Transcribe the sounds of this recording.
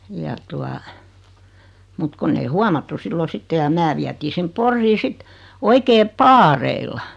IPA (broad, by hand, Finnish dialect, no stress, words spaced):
jɑ tuɑ mut konː ei huɑmɑtːu silːo sitːe jɑ mæː ʋiætiː sim porːiː sit oikeː pɑːreilːɑ